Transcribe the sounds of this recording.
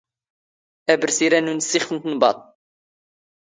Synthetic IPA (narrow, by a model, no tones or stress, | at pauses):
æbəɾsiɾænunsiχənt̪nbɑ̰t̪̚ˤ